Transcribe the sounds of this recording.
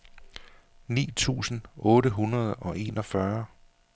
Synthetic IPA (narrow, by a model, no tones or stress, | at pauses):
nḭːt͡sʰṵːsn̩ɔ̽ːɾəɦunɐð̞ˠɒ̽ʔe̝ːnɒfɶɐ